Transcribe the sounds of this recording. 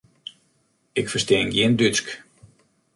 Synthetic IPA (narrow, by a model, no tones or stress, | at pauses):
ɪkfərsteːŋɡjiːndyt͡sk